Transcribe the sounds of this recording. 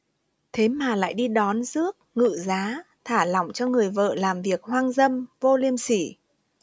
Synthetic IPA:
t̪ʰe˨˦maː˨˩la̰ː˧˨jɗi˧ɗɔ˨˦nzɨ˦˥ək̚ŋɨ̰˧˨zaː˨˦ | t̪ʰaː˧˩lɔ˧˩wŋ͡mt͡ɕɔ˧ŋɨ˨˩əjvə̰ː˧˨laː˨˩mvi˨˩ək̚hwaː˧ŋzə˧mvo˧li˧əmsi˧˩

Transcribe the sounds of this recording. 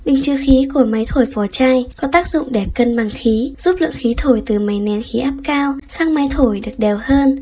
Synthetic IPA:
ɓï˨˩ŋ̟t͡ɕɨ˧˩xi˨˦ku˧˩əma˨˦jt̪ʰo˧˩jfɔ˨˩t͡ɕaː˧jkɔ˨˦t̪aː˦˥k̚zʊ̰˧˨ŋ͡mɗɛ˨˩p̚kə˧nɓaː˨˩ŋxi˨˦z̥u˦˥p̚lɨ̰˧˨əŋxi˨˦t̪ʰo˧˩jt̪ɨ˨˩ma˨˦jnɛ˨˦nxi˨˦ʔaː˦˥p̚kaː˧wsaː˧ŋma˨˦jt̪ʰo˧˩jɗɨ˨˩ək̚ɗɛ˨˩whəː˧n

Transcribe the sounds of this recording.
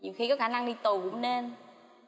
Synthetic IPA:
ɲi˨˩wxi˧kɔ˨˦xaː˧˩na˧ŋɗi˧t̪u˨˩kʊ̰˧˥˦ŋ͡mne˧n

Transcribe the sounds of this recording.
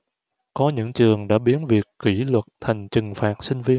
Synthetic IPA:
kɔ˨˦ɲɨ̰˧˥ŋt͡ɕɨ˨˩əŋɗa̰ː˧˥ɓi˨˦ənvi˨˩əkːi˧˩lwə˨˩t̚t̪ʰa˨˩jŋ̟t͡ɕɨ˨˩ŋfaː˨˩t̚sï˧ŋ̟vi˧ən

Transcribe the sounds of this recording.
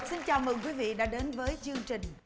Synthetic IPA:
si˧nt͡ɕaː˨˩wməː˨˩jkwi˨˦vḭ˧˨ɗa̰ː˧˥ɗe˨˦nvəː˨˦jt͡ɕɨ˧əŋt͡ɕï˨˩ŋ̟

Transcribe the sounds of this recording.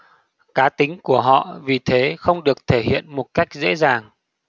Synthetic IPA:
kaː˨˦t̪ï˨˦ŋ̟ku˧˩əɦɔ̰˧˨vi˨˩t̪ʰe˨˦xə˧wŋ͡mɗɨ˨˩ək̚t̪ʰe˧˩ɦḭ˧˨ənmo˨˩t̚ka˦˥jk̟̚zḛ˧˥zaː˨˩ŋ

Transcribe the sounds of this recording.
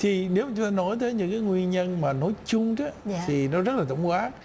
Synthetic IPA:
t̪ʰi˨˩ne˨˦wma˨˩t͡ɕʊ˨˦ŋ͡mt̪aː˧nɔ˨˦jt̪əː˨˦jɲɨ̰˧˥ŋkaː˨˦jŋwi˧ənɲə˧nmaː˨˩nɔ˨˦jt͡ɕʊ˧ŋ͡mt͡ɕa˨˦t̪ʰi˨˩nɔ˨˦zə˦˥t̚laː˨˩ə˧˩wŋ͡mkwaː˨˦˥

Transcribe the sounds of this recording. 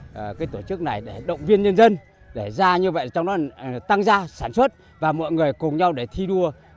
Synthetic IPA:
ʔkaː˨˦jt̪o˧˩t͡ɕɨ˦˥k̚na˨˩jɗe˧˩ɗə̰˧˨wŋ͡mvi˧ənɲə˧nzə˧n | ɗe˧˩zaː˧ɲɨ˧və̰˧˨jt͡ɕɔ˧wŋ͡mɗɔ˨˦t̪a˧ŋzaː˧sa̰ː˧˩nswə˦˥t̚ | vaː˨˩mɔ̰˧˨jŋɨ˨˩əjkʊ˨˩ŋ͡mɲa˧wɗe˧˩t̪ʰi˧ɗu˧ə

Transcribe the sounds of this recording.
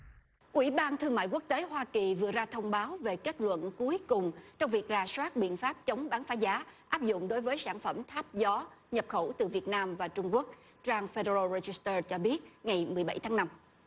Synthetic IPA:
ʔwi˧˩ɓaː˧nt̪ʰɨ˧əŋma̰ː˧˨jku˦˥ək̚t̪e˨˦ɦwaː˧ki˨˩vɨ˨˩ət̚zaː˧t̪ʰə˧wŋ͡mɓaː˨˦wve˨˩ke˦˥t̚lwə̰˧˨nku˨˦əjkʊ˨˩ŋ͡mt͡ɕɔ˧wŋ͡mvi˨˩ək̚zaː˨˩swaː˦˥t̚ɓḭ˧˨ənfaː˦˥p̚t͡ɕə˨˦wŋ͡mɓaː˨˦nfaː˨˦zaː˨˦ʔaː˦˥p̚zʊ̰˧˨ŋ͡mɗo˨˦jvəː˨˦jsaː˧˩nfə˧˩mt̪ʰaː˦˥p̚zɔ˨˦ɲə˨˩p̚xə˧˩t̪ɨ˨˩vi˨˩ət̚naː˧mvaː˨˩t͡ɕʊ˧ŋ͡mku˦˥ək̚ | t͡ɕaː˧ŋfe˧ɗe˧ɾaː˧ze˧zi˨˦˥st̪əː˧t͡ɕɔ˧ɓi˦˥ət̚ŋa˨˩jmɨ˨˩əjɓa̰˧˩jt̪ʰaː˨˦ŋna˧m

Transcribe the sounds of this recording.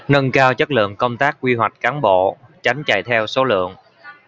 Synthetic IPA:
nə˧nkaː˧wt͡ɕə˦˥t̚lɨ̰˧˨əŋkə˧wŋ͡mt̪aː˦˥k̚kwi˧wa˨˩jk̟̚kaː˨˦nɓo̰˧˨t͡ɕa˨˦jŋ̟t͡ɕa̰˧˨jt̪ʰɛ˧wso˨˦lɨ̰˧˨əŋ

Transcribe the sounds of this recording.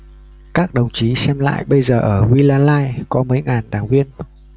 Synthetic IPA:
kaː˦˥k̚ɗə˨˩wŋ͡mt͡ɕi˨˦sɛ˧mla̰ː˧˨jɓə˧jzəː˨˩ʔəː˧˩ŋwi˧laː˧laː˧jkɔ˨˦mə˨˦jŋaː˨˩nɗaː˧˩ŋvi˧ən

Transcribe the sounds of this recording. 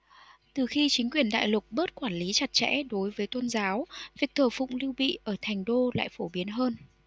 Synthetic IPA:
t̪ɨ˨˩xi˧t͡ɕï˨˦ŋ̟kwi˨˩ənɗa̰ː˧˨jlʊ˨˩k͡p̚ɓəː˦˥t̚kwaː˧˩nli˨˦t͡ɕa˨˩t̚t͡ɕɛ̰˧˥ɗo˨˦jvəː˨˦jt̪o˧nzaː˨˦wvi˨˩ək̚t̪ʰəː˧˩fʊ̰˧˨ŋ͡mli˧wɓḭ˧˨ʔəː˧˩t̪ʰɛ˨˩jŋ̟ɗo˧la̰ː˧˨jfo˧˩ɓi˨˦ənɦəː˧n

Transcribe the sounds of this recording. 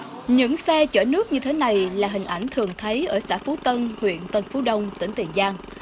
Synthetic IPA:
ɲɨ̰˧˥ŋsɛ˧t͡ɕəː˧˩nɨ˦˥ək̚ɲɨ˧t̪ʰe˨˦na˨˩jlaː˨˩ɦï˨˩ŋ̟ʔa˧˩jŋ̟t̪ʰɨ˨˩əŋt̪ʰə˨˦jʔəː˧˩saː˧˥fu˨˦t̪ə˧nhwḭ˧˨ənt̪ə˧nfu˨˦ɗə˧wŋ͡mt̪ï˧˩ŋ̟t̪i˨˩ənzaː˧ŋ

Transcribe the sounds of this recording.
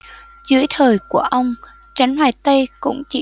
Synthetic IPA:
zɨ̰˧˦əjt̪ʰəː˨˩jku˧˩əʔə˧wŋ͡m | t͡ɕa˨˦jŋ̟hwaː˨˩jt̪ə˧jkʊ̰˧˥ŋ͡mt͡ɕi˧˥

